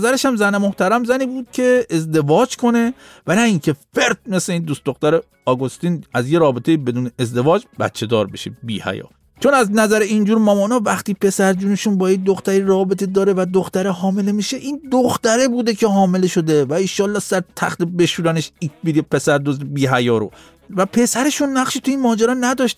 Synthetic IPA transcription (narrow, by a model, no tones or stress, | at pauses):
zæɾe̞ʃæmzænemo̞ht̪æɾæmzæniːbuːd̪̥̚cʰe̞ezd̪e̞vɒːd͡ʒkʰo̞ne̞vænæiŋcʰe̞fe̞ɾd̪̚me̞sleiːnd̪ust̪d̪oxt̪æɾe | ɒɡost̪inæzje̞ɾɒːbet̪ʰejibe̞d̪uːneʔezd̪e̞vɒːd͡ʒbæ̰t̪t͡ʃʰːe̞d̪ɒːɾbeʃḛbḭːhæ̰jɒ̰ː | t͡ʃʰo̞næznæzæɾeind͡ʒuːɾmɒmɒːnɒvæxt̪iːpʰe̞sæɾd͡ʒuːneʃunbɒːjed̪oxt̪æɾiɾɒːbe̞t̪ʰed̪ɒːɾevæd̪oxt̪æɾeɦɒːme̞le̞miːʃe̞ʔiːnd̪oxt̪æɾe̞buːd̪e̞cʰe̞ɦɒːme̞le̞ʃo̞d̪e̞væiʃɒːlːɒːhsæɾt̪ʰæ̰xt̪ebe̞ʃuːdæneʃikbid̪epʰe̞sæɾd̪ozd̪ebiːɦæjɒːɾo̰ | væpʰe̞sæɾe̞ʃunːæχʃiːt̪ʰuiːnmɒːd͡ʒæɾɒːnæd̪ɒʃt̪̚